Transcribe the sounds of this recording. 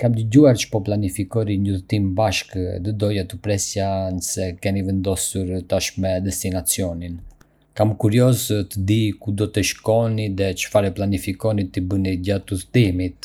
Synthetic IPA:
kamd̪əɟuaɾt͡ʃə̥pɔplanifikɔɾiɲuθt̪imbaʃkd̪əd̪ɔjat̪upɾɛsjanəsɛkɛnivɛnd̪ɔsuɾt̪aʃmɛd̪ɛst̪inat͡siɔnin | kamkuɾiɔzt̪əd̪ikud̪ɔt̪ɛʃkɔniðɛt͡ʃə̥faɾɛplanifikɔnit̪ibəniɟat̪uðt̪imit̪

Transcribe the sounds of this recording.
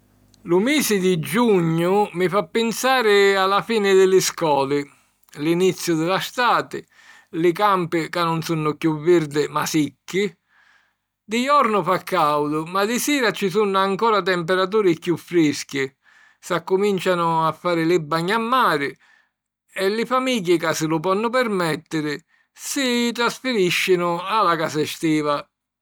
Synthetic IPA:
lʊmɛːsɪd̪id͡ʒuɲːʊmɪfapːɪnsaːɾɪalafiːnɪd̪ɪlɪskɔːlɪ | linit̪sːjʊd̪ɪlast̪aːt̪ɪ | lɪkampɪkanːʊnsunːʊkjuvːiɾd̪ɪmasikːɪ | d̪ɪjɔɾnʊfakːawd̪ʊmad̪ɪsiːɾat͡ʃɪsunːaŋkɔːɾat̪̬ɛmpɛɾat̪̬uːɾɪkjufːɾiskɪ | sakːʊmint͡ʃanʊafːaːɾɪlɪbːaɲːamːaːɾɪ | ɛlːɪfamiɟːɪkasɪlʊpɔnːʊpɛɾmɛt̪ːɪɾɪ | sɪt̪ɾasfɪɾiʃːɪnʊalakaːsɪst̪iːva

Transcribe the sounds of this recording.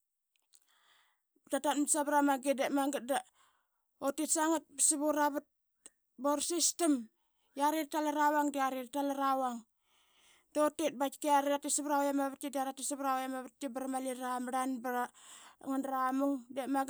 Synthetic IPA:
btatatmsabɾamaɡidemaɡat̚da | otisaŋat̚bsiβuɾaβat̚ | boɾsistim | jaɾirtalaɾawaŋdiaɾiɾtalaɾawaŋ | dotet̚bat͡ʃkeaɾeatisiβɾawjamaβtːidiaɾatisiβɾawjamaβat̚tibaɾamaliɾamɾanbaɾaŋanɾamuŋdemaɡ

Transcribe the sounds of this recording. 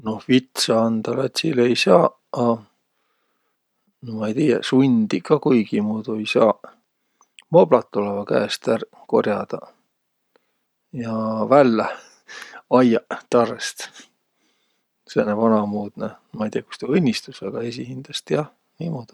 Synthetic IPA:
no̞hvit̪sɑɑnd̪̥ɑlɑt̪ʲsilejsɑː | ɑ | nomɑejt̪iːjɑ̰sunʲd̪̥ikɑkujɡ̥imuːd̪̥uejsɑː | mo̞b̥lɑt̪ˑːolevɑkæ̰ːst̪ær | ko̞̰rjɑd̪̥ɑ | jɑvælːe | ɑjɑt̪ɑrːest̪ | senevɑnɑmuːd̪̥ne | mɑejt̪iːɑku̥st̪eɤnʲːist̪usɑɡ̥ɑes̬ihind̪̥ɑst̪jɑ | imod̪u̥

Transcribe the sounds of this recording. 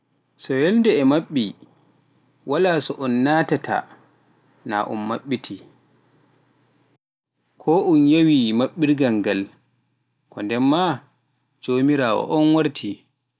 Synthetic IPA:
sɔjɛlndɛɛmaɓːi | walaːsɔʔɔnːaːtatʰa̰ | na̰ʔṵmːaɓːitʰi | kʰɔʔunjawimaɓːiɾɡaŋɡal | kʰɔndɛmːa | d͡ʒoːmiɾaːwɔ̰ʔɔnwaɾtʰi

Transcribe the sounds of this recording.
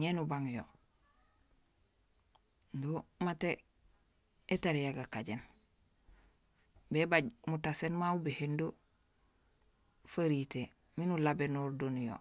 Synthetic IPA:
ɲenubaŋjo̰ | ndomate | etaɾijaɡakaɟen | bebaɟmutasenmaubehendo | faɾite | minulabenoɾdonjo̰

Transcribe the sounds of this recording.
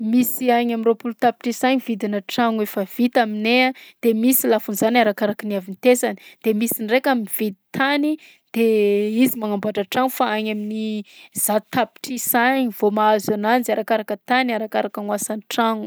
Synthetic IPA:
misiaɲaminropulut̪api̥ʈ͡ʂisaɲivid̪inəʈ͡ʂaŋuefəv̥it̪aminead̪̥emisilafunzanaɾakaɾakənavinit̪esani̥d̪̥emisinrekaminvid̪i̥t̪ʰani | d̪̥eizimaŋambaʈ͡ʂaʈ͡ʂaŋufaaɲaminiz̥at̪api̥ʈ͡ʂisaɲiv̥omaazananzaɾakaɾakət̪aniaɾakaɾakaŋwasaniʈ͡ʂaŋu

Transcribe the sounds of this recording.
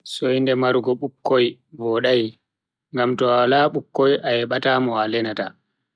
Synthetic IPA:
sɔjndɛmaɾɡɔɓukːoj | bɔɗaj | ŋɡamtɔwalaɓukːojʔajɛɓataːmɔalɛnata

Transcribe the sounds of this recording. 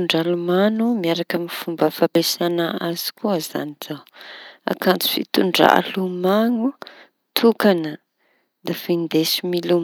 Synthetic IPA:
uɳɖ͡ʐalumanumiaɾakəmifumbəfapesanəaz̥i̥kuəza̰niz̥awa̰kant͡si̥fḭt̪uɳɖ͡ʐ̰a̰lumaŋu | t̪ʰukanə | d̪afind̪esimilum

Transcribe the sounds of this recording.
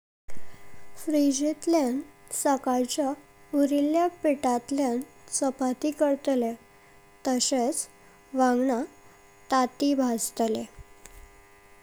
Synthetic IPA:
fɾid͡ʑit̪ljãnsəkaɾt͡ɕa | uɾiljapiʈat̪ljansəpat̪ikəɾt̪le | t̪əɕet͡s | ʋãɡɳa | t̪at̪ibʱast̪le

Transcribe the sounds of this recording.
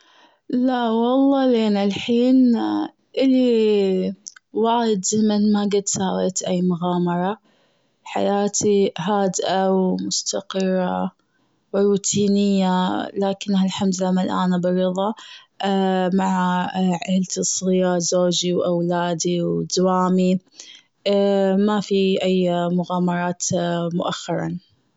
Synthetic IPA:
laʔwɑlˤːɑːleːnalħiːn | ʔɪlːi | waːjɪd̪zɪmanmaɡɪd̪saːweːt̪ʔajːmʊɣaːmɑɾˤɑ | ħa̰jaːt̪ʰiɦaːd̪ʔawmʊst̪aqɨrˤːa | wɾuːt̪ʰiːnɪjːalaːkɪnːhalħamd̪lamalʔa̰ːnabɪɾɨðˤɑ | maʕaʕɪlt̪isˤijazoːd͡ʒiwʔawlaːd̪iwd̪waːmi | mafiʔajmʊɣaːmɑɾˤɑːt̪mʊʔaxːɑɾˤɑ̰n

